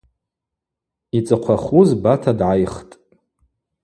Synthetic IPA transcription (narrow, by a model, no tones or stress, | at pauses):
it͡sʼɨqʷʰaχuzbatʰadʕajχtʼ